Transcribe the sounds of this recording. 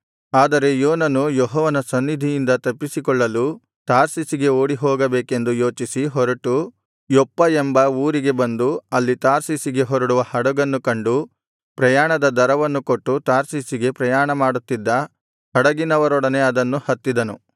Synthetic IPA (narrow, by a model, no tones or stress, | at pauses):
aːd̪ɐɾe̞joːnɐnujɔɦɔːʋɐnɐsɐnːid̪ʱijind̪ɐt̪ɐpːisikɔɭːɐlu | t̪aːɾsisiɡe̞oːɽiɦɔːɡɐbeːke̞nd̪ujoːt͡ʃisiɦɔɾɐʈu | jɔpːɐembɐuːɾiɡe̞bɐnd̪uɐlːit̪aːɾsisiɡe̞ɦɔɾɐɽuʋɐhɐɽɐɡɐnːukɐɳɖu | pɾɐjaːɳɐd̪ɐd̪ɐɾɐʋɐnːukoʈːut̪aːɾsisiɡe̞pɾɐjaːɳɐmaːɽut̪ːid̪ːɐ | hɐɽɐɡinɐʋɐɾɔɽɐne̞ɐd̪ɐnːuhɐt̪ːid̪ɐnu